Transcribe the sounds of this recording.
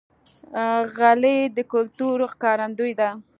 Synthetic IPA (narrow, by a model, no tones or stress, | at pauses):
ɣaled̪əkʊlt̪uɾxkɑɾand̪ujd̪a